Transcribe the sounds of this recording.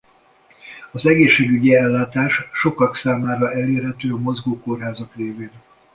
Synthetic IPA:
ɒzɛɡeːʃːeːɡyɟiɛlːaːt̪aːʃʃo̞kɒksaːmaːɾɒʔɛleːrɦɛt̪øːɒmo̞zɡoːko̞rɦaːzɒkreːveːn

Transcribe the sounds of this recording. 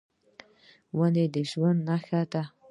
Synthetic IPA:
waned̪əʒwand̪naxʲatʰa

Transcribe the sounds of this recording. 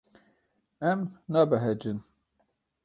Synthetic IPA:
ɛmnɑːbɛɦɛd͡ʒɨn

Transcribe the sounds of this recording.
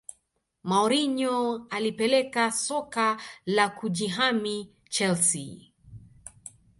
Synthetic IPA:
maɔɾiɲɔalipɛlɛkasɔkalakuʄiɦami | t͡ʃɛlsḭ

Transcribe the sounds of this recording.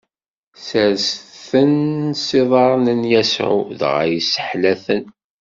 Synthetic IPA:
sæɾsθθənsiðˤɑɾˤnənjæsʕṵðʁa̰jisə̥ħlæθən

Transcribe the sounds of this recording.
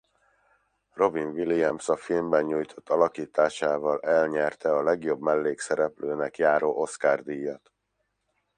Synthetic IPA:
ro̞vinviliɛmsɒfilmbɛɲɲuːjt̪ʰo̞t̪ːɒlɒkiːt̪aːʃaːvɒlɛlɲɛrt̪ɛɒlɛɡjo̞bmɛlːeːksɛɾɛpløːnɛkjaːɾoːʔo̞skaːrd̪ijːaːt̪

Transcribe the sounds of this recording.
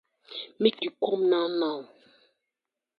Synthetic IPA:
mikikomnãnã

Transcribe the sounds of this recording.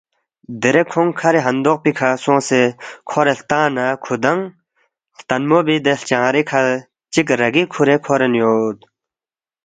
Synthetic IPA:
d̪eɾekʰoŋkʰaɾeɦənd̪oχpikʰasoŋsekʰoɾeht̪anakʰod̪aŋ | ht̪anmobid̪əht͡ɕaŋɾekʰa | t͡ɕək̚ɾəɦɡikʰoɾekʰoɾənjot̪̚

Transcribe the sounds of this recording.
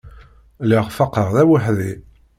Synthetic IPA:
liʁfɑqːəʁðæwəħði

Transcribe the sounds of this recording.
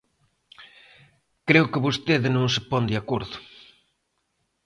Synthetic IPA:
kɾeʊkɪβost̪eðɪnõŋsɪpɔnd̪iakoɾðʊ

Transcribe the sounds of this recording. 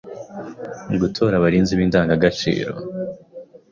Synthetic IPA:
ɡutʰo̞ːɾaβaɾiːnziβiːndaːŋɡaɡat͡ʃḭːɾo̞̰

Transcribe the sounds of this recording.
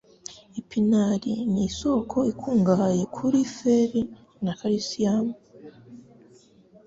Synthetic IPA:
ipʰinaɾḭniso̞kʰo̞ikʰuːŋɡahaje̞kʰuɾifeɾi | nakaɾisiamu

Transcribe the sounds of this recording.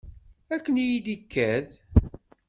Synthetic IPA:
ækːənijid̪ikːæð

